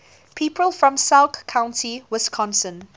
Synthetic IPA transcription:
pʰiːˑpʰɹəlˠfɹɔ̃msalkkʰãʊ̃ntʰiwɪskʰɔ̃nsə̃n

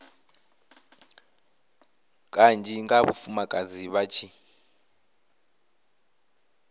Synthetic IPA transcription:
kʼand͡ʒiŋɡaβṵfumakʼaziβat͡ʃʰi

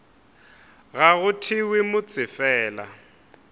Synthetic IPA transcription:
ɣaɣʊtʰɪwɪmʊt͡sʼɪfɛːla̰

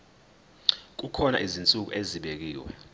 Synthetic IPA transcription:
k̬ukʰɔna̰ʔizint͡sʼuk̬ṵʔeziɓek̬iːwɛ̰

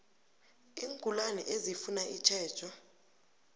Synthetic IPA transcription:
iːŋkʼulanɛ̰ʔezifunaʔit͡ʃʰɛ̥ːt͡ʃʰɔ

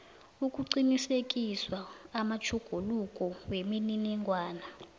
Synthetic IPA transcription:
ukʼuǀinisekʼiswaːmat͡ʃʰuɡ̥ʱulukʼɔwemininɛŋwaːna

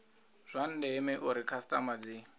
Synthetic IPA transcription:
z̥ʷan̩dɛːmɛʔuɾikʰastʼamad͡zi

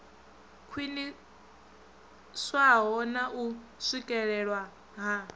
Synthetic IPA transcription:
kʰwini | swaɦɔnaʔuʂikʼɛɺɛɺwa | ɦa

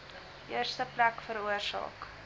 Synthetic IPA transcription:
ʔiərstəplækfəɾuərsɑ̰ːk

